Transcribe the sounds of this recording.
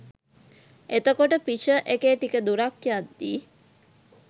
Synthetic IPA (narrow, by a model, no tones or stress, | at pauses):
et̪əkoʈəpiʃəʔekeːʈikəd̪uɾakjad̪ːiː